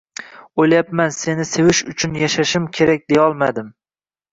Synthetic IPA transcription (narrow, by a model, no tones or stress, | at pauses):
ojlajapmanse̞nɪse̞vɪʃʊt͡ʃʰʊnjaʃaʃɪmkʲʰe̞ɾak̚ʲd̪ejɒlˠmad̪ɪm